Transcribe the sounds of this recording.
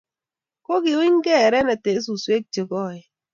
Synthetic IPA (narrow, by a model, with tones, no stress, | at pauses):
ko˦ki˨wi˦ŋ˦ɡɛ˦˨ɾɛ˦nɛ˨te˨˦s̬u˨swe˦k̚t͡ʃi˨ɡɔ˦˨ɛ˨